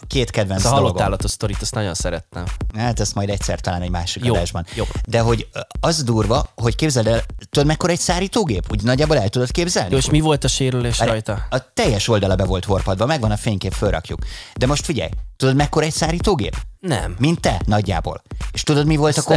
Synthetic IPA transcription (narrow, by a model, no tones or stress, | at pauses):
keːt̪kɛd̪vɛnsolooɡ̪aːlːɒt̪oʃst̪oɾit̪ɛst̪nɒɟonsɛɾɛt̪ːɛmaːt̪ɛst̪mɒjd̪ɛct̪sɛ̰rt̪ɒlaːnɛɟmaːʃikɒd̪aːʒbɒnjod̪ɛɦo̞ɟɒzd̪uːrvɒɦo̞ckeːbzɛld̪ɛlt̪ud̪o̞d̪mɛkːoɾɒɛcsaːɾiːt̪oːɡeːpuɟnɒɟːaːboːlɛlt̪ud̪o̞t̪keːbzɛlieʃmivo̞lt̪ɒʃeːɾyleːʃɒjt̪ɒɒt̪ɛjːɛʃo̞ld̪ɒlɒbɛvo̞lt̪ɦo̞rpɒd̪vɒmɛɡvɒnɒfeːɲkeːɱfølrʔɒ̰kjṵkd̪ɛmo̞ʃt̪fiɟɛ̰jt̪ud̪o̞d̪mɛkːo̞ɾɒɛcsaːɾiːt̪oːɡḛːpnɛ̰mmint̪ːɛnɒɟːa̰ːbo̰ːleʃt̪ud̪o̞d̪mivo̞lt̪ɒko